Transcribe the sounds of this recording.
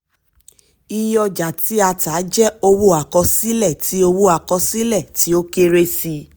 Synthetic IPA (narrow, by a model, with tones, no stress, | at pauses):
i˧jɔ˧d͡ʒa˨ti˨˦a˧taː˨˦d͡ʒɛ˦o˧wu˦a˨kɔ˧si˦lɛ˦˨ti˨˦o˧wu˦a˨kɔ˧si˦lɛ˦˨ti˨˦o˦ke˦ɾe˦si˧